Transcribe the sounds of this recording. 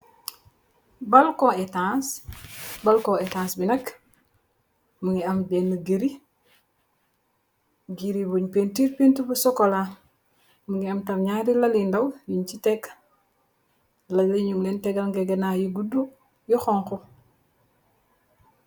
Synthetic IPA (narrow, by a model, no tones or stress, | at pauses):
balkoetãs | balkoetãːsbinɐk | muŋɡiɐmbenːəɡiɾi | ɡiɾibuɲpentiɾpintubusokola | muŋɡiamtamɲaɾilalindawjiɲt͡ʃitek | laliɲuŋlenteɡalŋɡeɡenajuɡudu | juxɔŋxu